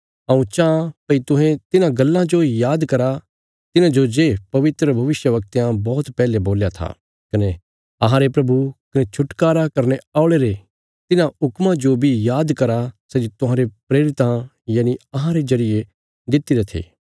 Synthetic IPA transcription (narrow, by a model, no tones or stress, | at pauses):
ɐũt͡ʃaãpɐit̪ʊ̃ɦẽt̪ɪnãɡɐlːãd͡ʒojaːd̪kɐɾa | t̪ɪnãd͡ʒod͡ʒeːpɐʋɪt̪ɾəbʱɐʋɪʃjəʋɐk̚t̪ːjãbɔːt̪pɛːleboːljat̪ʰa̰ː | kɐne | ɐɦãɾepɾɐbʱukɐnet͡ʃʰʊʈkaːɾakɐɾneaːʊɭeɾe | t̪ɪnãɦʊkmãd͡ʒobʱijaːd̪kɐɾasɛd͡ʒit̪ʊ̃ɦãːɾepɾeːɾɪt̪ã | jaːniɐɦãɾezɐɾɪje | d̪ɪt̪ːiɾet̪ʰḛː